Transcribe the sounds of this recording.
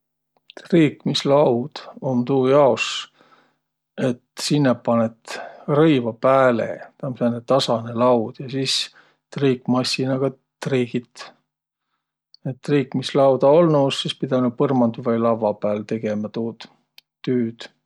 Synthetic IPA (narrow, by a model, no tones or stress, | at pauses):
t̪riːkmislɑwd̪̥omt̪uːjɑos | e̞t̪sinːɑppːɑnet̪rɤjvɑpæːlḛt̪ɑmsenːet̪ɑsɑnelɑwd̪̥jɑsiːs | t̪riːkːˑmɑsʲːinɑɡ̥ɑ | t̪riːɡ̥it̪ | et̪ːriːkmislɑwd̪ɑolnuːsːispid̪̥ɑnupɤrmɑnd̪uvɑjlɑvɑpæːlt̪e̞ɡ̥e̞mɑt̪oːd̪ | t̪ːyːd̪̥